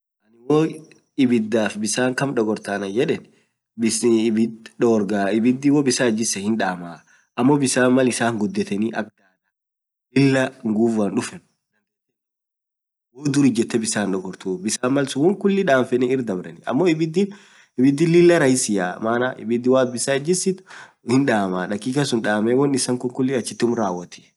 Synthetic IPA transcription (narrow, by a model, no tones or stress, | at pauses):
ʔɐnɪwo | ɪbɪd̪ːaːfbɪsaːŋkɐmᶑɔɡɔɾt̪aːnɐd͡ʒɛᶑɛn | bɪsbɪd̪ᶑɔɡɔɾɡaːɪbɪd̪ːɪwoːbɪsaːd͡ʒɪsɐhɪnᶑaːmaː | ʔɐmːoːbɪsaːmmɐlɪsaːŋɡʊd̪ːɛt̪ɛniːʔɐɡ̚aːnɐ | lɪlːɐŋɡuːvanᶑʊfɛn | nɐŋkɐɛ | woːd̪ʊɾid͡ʒɛt̪ːɛbɪsaːnᶑɔɡɔɾt̪uːbɪsaːmːɐlsʊwɔŋkʊlːɪᶑaːnfɛnɛɪɾd̪ɐbɾɐnɪɐ̰mːɔɪbɪd̪in | ɪbɪd̪ːɪlɪlːɐɾɐjɪsɪjaːmaːnaʔɪ̰bɪd̪ːɪwaːt̪bɪsaːd͡ʒɪsɪt̪ʊ̥ | hɪnᶑaːmaːᶑɐkːiːkɐsʊnᶑaːmɛwɔnɪsɐŋkʊŋkʊlːɪɐt͡ʃːɪt̪ːʊmɾaːwːɐt̪ʰɛ̥